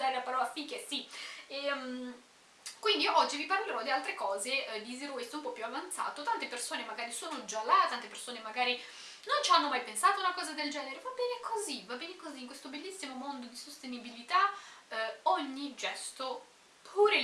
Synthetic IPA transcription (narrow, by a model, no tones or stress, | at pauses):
d̪aːɾelapaɾɔːlafikesiɛm | kwind̪iʔɔd͡ʒːiviparleɾɔd̪ialt̪ɾekɔːzeɛd̪iziɾoesoumpɔpjuavant̪sa̰ːt̪ot̪ant̪epersoːnemaɡaːɾisoːnod͡ʒalːat̪ːant̪epersoːnemaɡaːɾi | nont͡ʃanːomajpensaːt̪ounakɔːzad̪eld͡ʒɛːneɾevabːɛːnekʰozivabːɛːnekoziːŋkwest̪obelːisːimomond̪od̪isost̪enibilit̪a | ɔɲːid͡ʒɛst̪o | pʰuːɾe